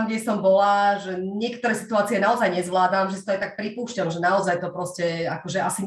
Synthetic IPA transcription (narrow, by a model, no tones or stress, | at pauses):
mɡɟɛsɔmbɔlaʒɛɲɪɛkt̪ɔɾɛːsi̥t̪uaːt͡siɛnaɔzajɲɛzʋlaːd̪amʒɛsi̥t̪ɔajt̪ak̚pɾipuːʃcalʒɛnaɔzajt̪ɔpɾɔscɛakɔʒɛasi